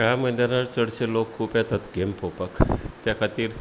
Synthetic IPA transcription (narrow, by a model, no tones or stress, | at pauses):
ɭaməd̪aɾaɾt͡səɽselokʰːuːpjat̪at̪ɡempopəkt̪jakʰat̪iːɾ